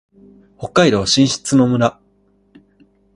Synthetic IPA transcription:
ho̞kːaiɾoβaɕĩɰ̃ɕi̥t͡sɨno̞mɯ̟na

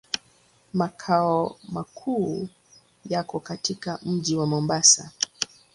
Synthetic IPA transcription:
makʰaɔmakʰuː | jakɔkatikam̩ʄiwamɔmbasa

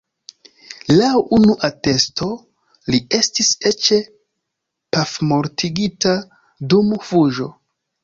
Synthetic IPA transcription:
lawunuʔate̞sto̞ | lie̞stise̞t͡ʃe̞ | pafmo̞ɾtʰiɡita | dumfuʒo̞

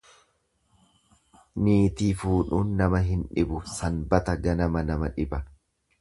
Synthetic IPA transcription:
niːt̪iːfuːᶑuːnːɐmɐɦɪnᶑɪbʊsɐnbɐt̪ɐɡɐnɐmɐnɐmɐᶑɪbɐ

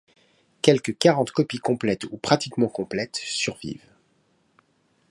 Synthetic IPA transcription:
kʲɛlkəkaʁɑ̃t̪kɔpikɔ̃plɛt̪upχat̪ikmɑ̃kɔ̃plɛt̪syʁvḭv

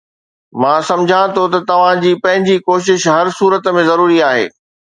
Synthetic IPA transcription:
mãːsɐ̃md͡ʑʱãt̪ʰot̪ɐt̪ɐʋ̤ãd͡ʑiːpɐ̃ɦɪ̃ɲd͡ʑikoːʃ̬ɪʃɦɐɾsuːɾət̪mẽzɐɾuːɾiaːɦḛː

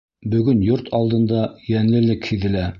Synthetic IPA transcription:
bɵ̆ɡɵnjoɾt̪ʰɑlˠd̪ɤ̆nd̪ɑjænlɘ̆lɘkhiðɘ̆læ

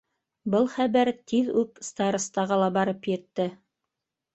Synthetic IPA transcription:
bɤlˠχæβæɾt̪iðʉpst̪ɑɾŏst̪ɑʁɑlˠɑbɑɾɤpjɘ̆t̪ːɘ

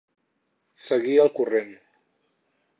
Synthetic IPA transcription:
səɣiəlˠkuren

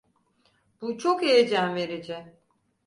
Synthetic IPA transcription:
b̥ut͡ʃʰokejed͡ʒæmve̞ɾid͡ʒɪ

